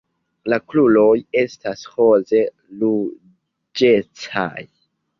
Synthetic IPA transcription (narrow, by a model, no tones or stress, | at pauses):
laklulo̞je̞stasho̞ze̞ | lu | d͡ʒe̞t͡sa̰j